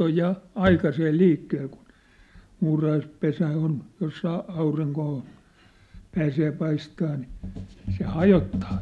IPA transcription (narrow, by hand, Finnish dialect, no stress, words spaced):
oj jɑ ɑikɑseː liːkːeːl kun̞ muːrɑhɑispesæ on jos sɑː ɑuriŋkoː pæːseː pɑistɑː ni se hɑjotːɑː